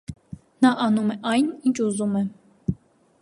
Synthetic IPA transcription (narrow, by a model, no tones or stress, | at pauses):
nɑʔɑnumɛʔɑjnint͡ʃʰuzumɛ